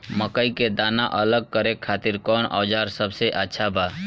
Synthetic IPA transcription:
məkəiked̪aːnaʔələɡ̚kəɾekʰat̪iɾkɔːnɔ̰ːd͡ʒaɾsəbseʔətːʃʰaba

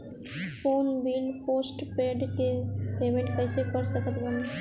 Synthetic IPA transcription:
foːnbiːlpoːsʈpeːɖkepeːmẽɳʈkəɪsepəɾsəkət̪bɐn

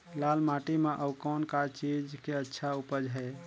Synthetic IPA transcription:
lalmaʈimeʔəukɔːnkat͡ʃid͡ʒkeətːʃʰaupəd͡ʒɦɛ

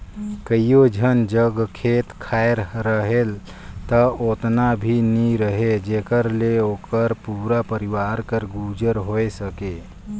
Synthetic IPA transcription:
kəijod͡ʒʱənd͡ʒəɡkʰet̪kʰaeɾɾəɦel | t̪əot̪nabʱiniɾəɦed͡ʒekəɾleokəɾpuɾapəɾiʋaɾkəɾɡud͡ʒəɾɦoesəke

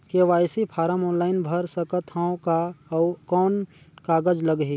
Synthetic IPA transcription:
keʋaːjsipʰaːɾəmɔːnlaːɪnbʱɐɾsɐkət̪ʰaõkakɔːn | kaːɡəd͡ʒləɡɦi

